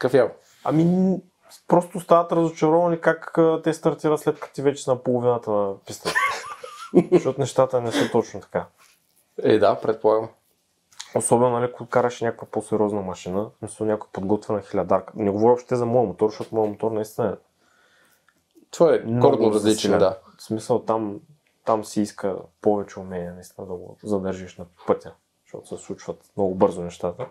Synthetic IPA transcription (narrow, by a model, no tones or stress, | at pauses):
kəfja | ɐ̰mi | pɾost̪ʊst̪avɐt̪ɾɐzot͡ʃɛɾɔvɐnikakət̪ɛst̪ɐɾt̪iɾət̪slɛt̪kɐ̥t̪ivɛt͡ʃɛsnɐpolˠovinət̪ənpist̪ət̪ | ʃot̪ʊnɛʃt̪at̪ənɛsɛt̪ot͡ʃnʊt̪ɐ̥ka | ɛd̪apɾɛt̪̚polˠaɡəm | osɔbɛnʊnɐlikokaɾəʃɛnʲakə̥kvɐposɛɾʲɔznəmɐʃinəsmisəlˠnʲakʊɛpod̪ɡɔt̪vʲɛnɐxilʲɐd̪aɾkə̥nɛɡovɔɾiopʃt̪t̪ɛzɐmɔjɐmot̪ɔɾʃtot̪ʊmɔjɐmot̪ɔɾnɐist̪inəɛ | t̪ovaɛmnoɾɡ̪noɾɐzlit͡ʃlʲad̪a | smisəlˠt̪am | t̪amsiiskə̰povɛt͡ʃɛʊmɛniɛnɐist̪ʲinəd̪ɐɡo̰zɐd̪əɾʒiʃnɐpɤt̪ʲə | ʃt̪o̰t̪ʊ̥sɛfslˠut͡ʃvɐt̪mnoɡʊbɤɾzʊnɛʃt̪at̪ə